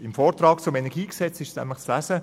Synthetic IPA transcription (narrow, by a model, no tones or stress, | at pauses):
ɪmfɔːɾt̪rɑːkt͡sʊmɛnɛɡ̥iːksɛt͡sɪʃsnæ̰mləχt͡slæsə